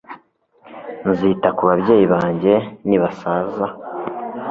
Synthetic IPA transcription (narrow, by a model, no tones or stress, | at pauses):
nziːtakuβaβɟe̞ːjiβaːɲɟe̞niβasaːza